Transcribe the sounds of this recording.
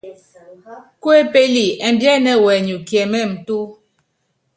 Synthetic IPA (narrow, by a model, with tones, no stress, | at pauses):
kwe˦pe˦li˨ɛ˨m˨bjɛ˦nɛ˦˨wɛ˨ɲu˨kjɛ˨mɛ˦˨m̩˨tu˦